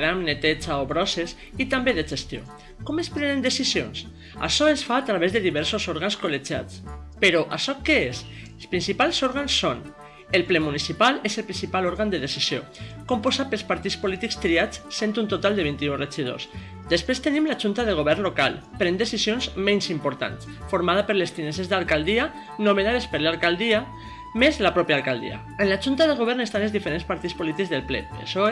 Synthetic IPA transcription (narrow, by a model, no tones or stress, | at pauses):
ɾamnet̪et͡ʃaoβɾɔses | it̪ambeðeʒest̪jo̰ | kɔmespɾɛnend̪esizjo̰ns | a̰ʃɔesfaːt̪ɾaβezðeðiβɛɾsozoɾɣanskoled͡ʒa̰t͡speɾɔʔaʃɔkees | espɾinsipalˠsoɾɣansːon | elplɛmunisipalezelpɾinsipaloɾɣand̪eðesiz̥jo̰kompozapelˠspaɾt̪ispolit̪ikst̪ɾiat͡ssent̪unt̪ot̪alˠd̪eβint̪iureʒiðo̰s | d̪espɾest̪enimlaʒunt̪aðeɣ̞oβ̞ɛɾnloka̰l | pɾend̪esizjonzmensimpoɾt̪a̰ns | foɾmað̞apəɾlest̪inesezðalˠkalˠd̪ia | nomenaðespəɾlalkalˠd̪ia | mezlapɾɔpjaːlˠkalˠd̪ḭa̰ | enlaʒunt̪aðeɣ̞oβ̞ɛɾnest̪anelzðifeɾenspaɾt̪it͡sspolit̪ikzðelplɛ̰ḛʃɔ